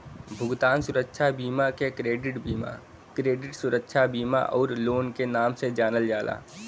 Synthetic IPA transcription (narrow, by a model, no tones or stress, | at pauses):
bʱʊɡt̪aːnsʊɾəkʃʰabiːmakekɾeːɖɪʈbima̰ | kɾeːɖɪʈsʊɾəkʃʰabiːma̰ʔɔːɾloːnkenaːmsed͡ʒaːnəld͡ʒaːlʔa̰ː